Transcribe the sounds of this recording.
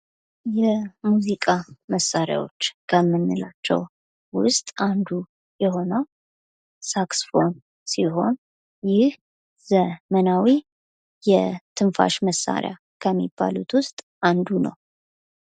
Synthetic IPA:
jɛmuzikʼaməsːaɾja̰wo̞̰t͡ʃːkʰəmːɨnːɨlat͡ʃːɛ̰w | wʊst̪ʼand̪u | jɛho̞nəw | saksfo̞n | siɦo̞n | jɪh | z̥əmənawi | jɛt̪ʰɨnfa̰ʃməsːa̰ɾja̰ | kʰəmːib̥ːa̰lut̪ʰwʊst̪ʼ | ʔand̪unə̰w

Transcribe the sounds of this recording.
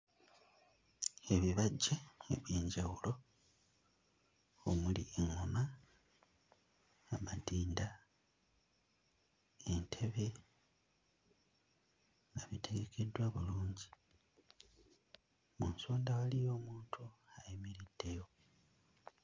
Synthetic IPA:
e̞βiβaɟːaeβjiːɲɟawulo̞ | omulieŋːoma | matiːnda | entʰe̞βe̞ | ŋaβite̞ɡe̞kʰe̞dwaβuluːɲɟi | munsoːndawalijo̞ːmuːntʰuajemeɾid̥ːe̞jo̞

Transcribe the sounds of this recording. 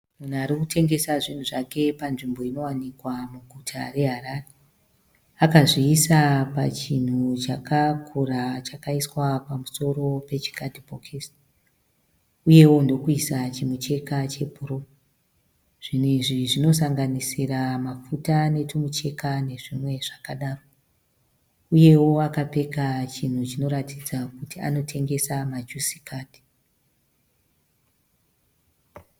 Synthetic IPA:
mun̤uaɾikutʰe̞ŋɡe̞saʐin̤uʐake̞panʐimbo̞ino̞wanikwamuɡʱutʰa̰re̞ɦarare | akaʐiːsapa̰t͡ʃin̤ut͡ʃakakʰurat͡ʃakaiswapamuso̞ro̞pe̞t͡ʃi̥katipokʰes | uje̞wo̞ndo̞kuisat͡ʃimut͡ʃe̞kat͡ʃe̞bʱuro | ʐ̥in̤iʐiʐino̞saŋɡanisiramafutane̞tʰumut͡ʃe̞kane̞ʐimwe̞ʐakaɗaːro | uje̞wo̞akape̞kat͡ʃin̤ut͡ʃino̞ɾatid͡zakutia̰notʰe̞ŋɡe̞samad͡ʒusi̥kaːti̥

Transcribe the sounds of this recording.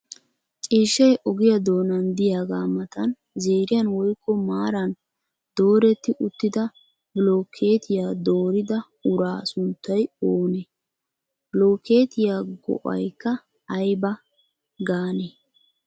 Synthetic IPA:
t͡ʃʼiːʃːɐjʔɔɡɪjɐd̪o̞ːnɐnd̪ɪjaːɡaːmɐt̪ɐn | zeːɾɪjɐnwɔjkʰːɔmaːɾɐn | d̪̥o̞ːɾɛt̪ːɪʔʊt̪ːɪd̪ɐ | blo̞ːkʰe̞ːt̪ʰɪjaːd̪o̞ːɾɪd̪ɐ | ʊɾaːsʊnt̪ːɐjoːne | bloːkeːt̪ɪjaːɡɔ̰ʔɐ̰jkːɐː | jbɐ | ɡaːneː

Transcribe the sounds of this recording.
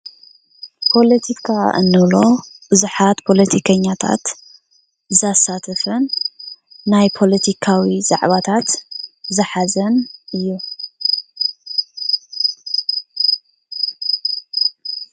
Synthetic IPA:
pʰo̞lɐt̪ʰikʰaʔɨ̰nːɨβlo̞bɨzuħat̪pʰo̞lɐt̪ʰikʰɐɲːat̪ʰa̰t̪ | zasat̪ʰɨfɨnː | ajpʰo̞lɐt̪ʰikʰawiza̰ʕβat̪ʰat̪zɨħazɐnʔɨjːu

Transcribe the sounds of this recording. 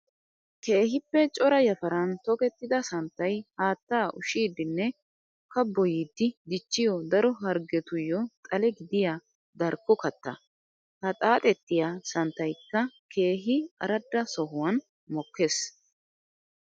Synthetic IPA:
ke̞ːɦɪpːɛt͡ʃʼɔɾɐjɐfɐɾɐnt̪ɔkɛt̪ːɪd̪ɐsɐnt̪ːɐjhaːt̪ːaːʔʊʃiːd̪ɪnːɛ | kɐbːɔjid̪ːɪd̪ɪt͡ʃːɪjɔd̪ɐɾɔɦɐɾɡɛt̪ʊjːɔt̪ʼɐlɛɡɪd̪ɪja | d̪ɐɾkːɔkɐt̪ːɐ̰ | hɐt̪ʼaːt̪ʼɛt̪ːɪjasɐnt̪ːɐjkːɐkʰe̞ːɦɪɐ̰ɾɐd̪ːɐsɔɦʊwɐn | mɔkːe̞ːs

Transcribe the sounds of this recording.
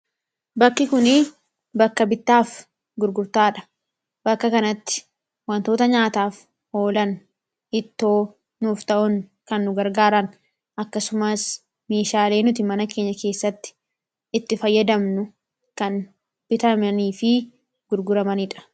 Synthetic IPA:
bɐkːɪkʊnɪ | bɐkːɐbɪt̪ːaːf | ɡʊɾɡʊɾt̪aːᶑɐ̥ | bɐkːɐkɐnɐt̪ːɪ̥ | wɐnt̪o̞ːt̪ɐɲaːt̪aːf | ho̞ːlɐn | ɪt̪ːo̞ː | nuːft̪ɐʔʊnkɐnːʊɡɐɾɡaːɾɐn | ʔɐkːɐsʊmɐs | me̞ːʃaːle̞ːnʊt̪̬ɪmɐnɐke̞ːɲːɐke̞ːsːɐt̪ːɪ̥ | ɪt̪ːɪfɐjːɐd̪ɐmnʊ | kɐn | b̥ɪt̪ɐmɐniːfɪ | ɡʊɾɡʊɾɐmɐnɪᶑɐ̥

